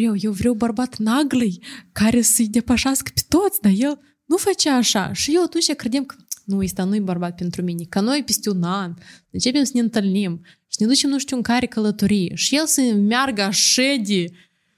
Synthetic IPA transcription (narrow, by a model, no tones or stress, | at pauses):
vɾʲewjewvɾʲewbərbat̪naɡlejkaɾʲesəjd̪ʲe̞paʃaskə̥pʲe̥t̪o̞t̪sʲd̪aje̞l | nufat͡ʃʲaːʂa̰ʃijewat̪unt͡ʃʲakɾʲed̪ʲemkənujst̪anujbarbat̪̚pʲent̪ɾumʲinʲekano̞jpʲesʲt̪ʲeunanɨnt͡ʃe̞pʲemsənʲeɨnt̪ɨlnim | ʃi̥nʲed̪ut͡ʃemnuʂt̪ʲuŋkaɾʲekəlˠət̪oɾʲijʃi̥jelsəmʲarɡəaʂed̪ʲe